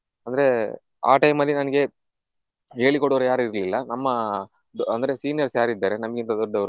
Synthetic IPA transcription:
ɐnd̪ɐɾe̞ | a̰ːʈɐjmɐlːinɐnɐɡe̞ | ɦe̞ːɭikɔɽoʋɾujaːɾiɾlilːɐnɐmːɐ | d̪ɐnd̪ɐɾe̞siːnjɐɾsjaːɾuid̪ːaːɾe̞nɐmɐɡint̪ɐd̪ɔɖːɐʋɾu

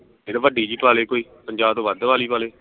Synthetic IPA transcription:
eːɾʋəɖiːd͡ʒiːpaːleːkoːiːpəɲd͡ʒaːbt̪õːʋəd̪ʋaːliːpaːleː

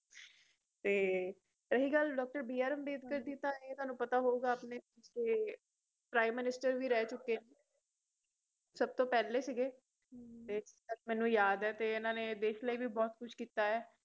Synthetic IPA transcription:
t̪eː | ɾəɦiːɡəlɖɔːk̚ʈəɾbiːaːɾəmbeːd̪̚kəɾd̪iːt̪ãːet̪ʊaːnũːpət̪aːɦoːuːɡaːpneːɪseː | pɾaːimːɪnɪsʈəɾʋiːɾɛːt͡ʃʊkːeː | səb̚t̪õːpɛːleːsiɡeː | t̪eːsi̥kəlmɛ̃ːnũːjaːd̪ɛːt̪eːɪnãːneːd̪eːʃləiːʋiːbɔːt̪kʊʃʰkiːt̪aːɛː

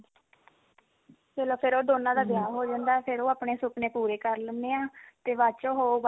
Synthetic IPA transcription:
keːloːpʰɪɾoːd̪oːnãːd̪aːbjaːɦoːd͡ʒãːnd̪aːpʰɪɾoːaːpɳeːsʊkneːpuːɾeːkəɾləneːãːt̪eːʋaːt͡ʃoːɦoːb

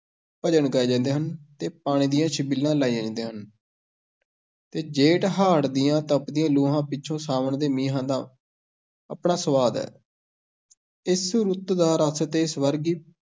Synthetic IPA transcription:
pəd͡ʒəɳɡaeːd͡ʒãːnd̪eːɦənt̪eːpaːɽ̃ĩːd̪ɪjãːʃɪbilːãːlaːid͡ʒãːnd̪eːɦən | t̪eːd͡ʒeːʈɦaːɽd̪ɪjãːt̪əpd̪ɪjãːluːɦãːpɪːʃʰõːsaːmənd̪eːmiːɦãːd̪ãː | ə̰pɳaːsəʋaːd̪ɛ̰ː | ɪsɾʊt̪d̪aːɾəst̪eːɪsʋəɾɡiː

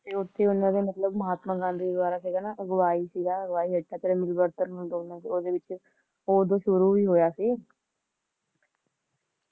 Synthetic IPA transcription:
t̪eːʊt̪ʰːeːʊnːãːd̪eːmət̪ləbməɦaːt̪mãːɡãːnd̪iːd̪waːɾaːsiːɡaːnaːʔɡəʋaːiːsiːɡaːɡʋaːiːɦəʈʰːaːt̪eɾamɪlbəɾt̪ənɦõd̪oːnãːsioːd̪eːʋɪt͡ʃ | oːd̪oːʃʊɾuːʋiːɦoːjaːsiː

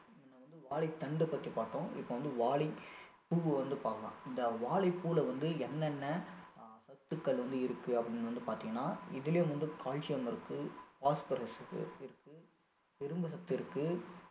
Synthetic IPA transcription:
ɪnːɐʋɐnd̪ɯʋaːɭɪt̪ːɐɳɖɯpɐt̪ːipaːʈːõːʔɪ̰pːoːʋɐnd̪ɯʋaːɭɪ | puɣɯʋɐnd̪ɯpaːkɐlã̰ːɪnd̪ɐʋaːɭɐɪpuːlɐʋɐnd̪ɯɛnːɛnːɐsɐt̪ːɯkːɐɭʋɐnd̪ɯɪɾɯkːɯɐpːɐɽɪnːɐʋɐnd̪ɯpaːɾt̪ɪ̃ŋɡɐnːaːɪðɪljʋɐnd̪ɯkʰaːlt͡ʃɪjɐmɪɾɯkːɯpaːspɐɾɐsɯ̰ɪɾɯkːɯ | t̪ɪɾɯmbɯsɐt̪ːɯɪɾɯkːɯ

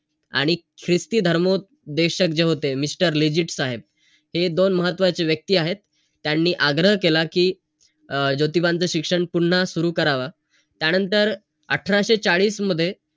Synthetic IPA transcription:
a̰ɽ̃i | kʰɾist̪iːd̪ʱəɾmo | d̪eɕəkd͡ʑeɦot̪emisʈəɾlid͡ʑiʈsaɦeb̚ | hed̪onməɦət̪ːʋat͡seʋjək̚t̪iːaɦet̪ː | janːiːʔaɡɾəɦkelakiː | d͡ʑot̪ibãnt͡səɕikʂəɳpuɽɳ̤asuɾuːkəɾaʋa | t̪janənt̪əɾ | ə̰ʈʰɾaɕet͡saɭiːsməd̪ʱːje

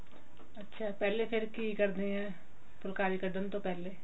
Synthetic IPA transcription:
ətːʃʰaːpɛːleːpʰɪɾkiːkəɾd̪ẽːɛ̃ː | pʊlkaːɾiːkəɖənt̪õːpɛːleː

